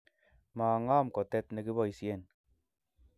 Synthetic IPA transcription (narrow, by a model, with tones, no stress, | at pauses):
maː˨ŋaː˦˨mkɔ˨tɛ˦tne˨ki˦bɔ˦˨i˨sjɛ˦˨n